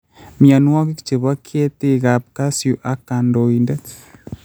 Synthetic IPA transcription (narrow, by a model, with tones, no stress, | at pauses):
mia˨nu˦wa˦ke˦ki̥t͡ʃe˨βa˦kʰje˦te˦ɣa˨p̚ka˦sjuʔa˨ka˨ndo˨indɛ˦t